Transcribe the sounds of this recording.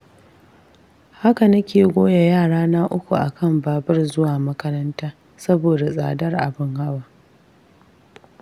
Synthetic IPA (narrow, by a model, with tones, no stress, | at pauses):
ha˦ka˨nɐ˦kʲeː˨ɡʷoː˦ja˨jaː˦˨ɽaː˦naː˦ʔʊ˦kʷu˨ʔa̰˨kɐ˦mbaː˨bɐ˦rzʊ˦waː˨mɐ˦kɐ˦ɾɐ˦ntaː˦ | sɐ˦boː˨da˨sʼa̰ː˨dɐ˦rʔa˨bɪ˦ŋha˦waː˨